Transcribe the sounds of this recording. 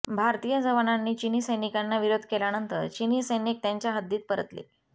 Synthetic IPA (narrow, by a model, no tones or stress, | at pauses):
bʱaɾt̪ijəd͡zəʋananːiːt͡ɕinisəjnikanːaʋiɾod̪ʱkelanənt̪əɾt͡ɕinisəjnik̚t̪jaɲt͡ɕjaɦəd̪ːiːt̪̚pəɾət̪lḛ